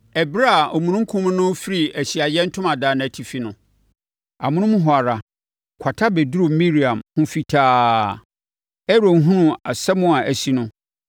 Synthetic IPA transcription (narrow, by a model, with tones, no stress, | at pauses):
ɛ˨bɾa˦˨ɔ˨mũ˨nũ˦ŋ̩˦kʰʊ̃˦m˦nʊ̃˦fɪ˦ɾi˨æ˨ɕi˨a˨jɛ˦n̩˦tʰʊ̃˦mã˨daː˨ñ˨æ˨tʰi˨fi˦nʊ̃˦ | a˨mʊ̃˦ñʊ̃˦mʊ̃˦ɦɔ˨a˨ɾa˨ | kʷʰa˨tʰa˦be˨du˦ɾu˨mĩ˦ɾi˨ã˨mhʊ̃˦fi˦tʰaː˦ | ɛ˦ɾo˨ŋ˦ɦũ˦nʊ̃˦a˨sɛ˦mʊ̃˦a˨ʔæ˨si˦nʊ̃˦